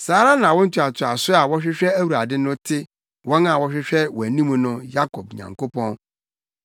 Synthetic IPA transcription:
saː˨˦ɾã˦nã˨wɔ˦n̩˦tʰu˦a˨tʰʊ˨a˨sʊ˦a˨wɔ˦ɕᶣɪ˦ɕᶣɛ˦æ˦wu˨ɾa˨dɪ˦nʊ̃˦tʰɪ˦ | wɔ˦na˨wɔ˦ɕᶣɪ˦ɕᶣɛ˦wɔ˨æ˨nĩ˦mũ˦nʊ̃˦ja˦kʰɔ˨b̚ɲã̰˨ŋko˦pʰɔ̃˦n

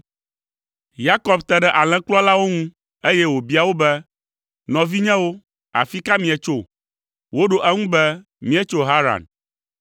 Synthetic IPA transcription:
ja˦kɔ˨bt̪ɛ˨ɖɛ˦ʔa˨l̃ɛ̃˦klɔ˦la˦wo˦ŋũ˦ | e˦jɛ˦wo˨bi˦a˨wo˦bɛ˦ | nɔ̃˨vi˦ɲɛ̃˦wo˦ | a̰˨fi˦ka˦mĩ˨ɛ˨t͡ʃo˦ | wo˦ɖo˨ʔɛ˦ŋũ˦bɛ˦ | mĩ˦ɛ˦t͡ʃo˦ɦa˦ɾa̰˨n

